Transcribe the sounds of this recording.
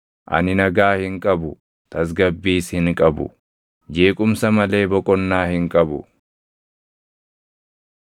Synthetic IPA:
ʔɐ̰nɪnɐɡaːhɪŋkʼɐbʊ | t̪ʰɐs̬ɡɐbːiːshɪŋkʼɐbʊ̰ | d͡ʒeːkʼʊmsɐmɐle̞ːbɔkʼɔnːaːhɪŋkʼɐbʊ̰

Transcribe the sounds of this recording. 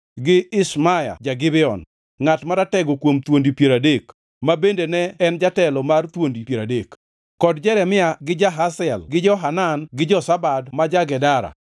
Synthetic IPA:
ɡɪɪsmaja̰d͡ʒaɡɪbɪɔn | ŋatmaɾatɛɡɔkwomt̪wondipjeɾadek | mabendenɛɛnd͡ʒatɛlɔmart̪wondipjeɾadek | kɔdd͡ʒɛɾɛmɪaɡɪd͡ʒaɦasɛlɡɪd͡ʒɔɦananɡɪd͡ʒɔsabadmad͡ʒaɡɛdaɾa̰

